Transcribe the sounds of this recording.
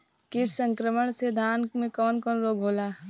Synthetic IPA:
kɪʃsə̃ŋkɾəməɳ̃sed̪ʱaːnmẽkɔːnkɔːnɾoːɡʱoːlaː

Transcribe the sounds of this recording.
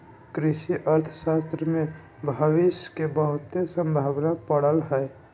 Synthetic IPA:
kɾɪʃiʔəɾt̪ʰəʃaːst̪ɾəmẽ | bʱəʋɪʃkebəɦʊt̪ːesə̃mbʱaːʋnapəɽəlɦɛː

